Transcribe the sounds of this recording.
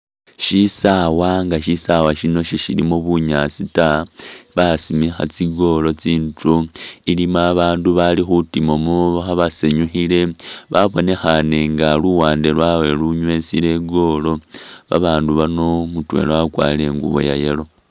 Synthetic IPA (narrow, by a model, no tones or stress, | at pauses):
ʃisawaŋɡaʃisawaʃino̞ʃiʃilimoβuɲat͡sitaβasimixa̰t͡siɡo̞lo̞t͡siːntuilimaːβaːnduβalixutimomuβxaβaseɲuxile̞βaβo̞ne̞xane̞ŋɡaluwaːnde̞lwawe̞luɲwe̞sile̞ɡo̞lo̞βa̰βaːnduβanomutwe̞̰lwakwa̰ːle̞ŋɡṵβo̞̰ja̰je̞lo̞